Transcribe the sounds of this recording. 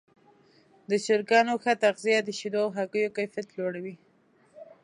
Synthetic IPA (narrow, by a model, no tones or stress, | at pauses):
d̪əʃɪɾkɑnoxat̪aqzijad̪əʃid̪oɦakəjokajfjat̪loɽawi